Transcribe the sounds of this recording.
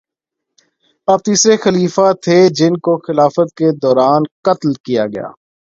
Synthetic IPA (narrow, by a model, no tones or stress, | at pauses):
ɐb̚t̪iːsɾexəliːfat̪ʰed͡ʒɪnkoxɪlaːfət̪̚ked̪ɔːɾaːnkət̪lkijaɡɐja̰ː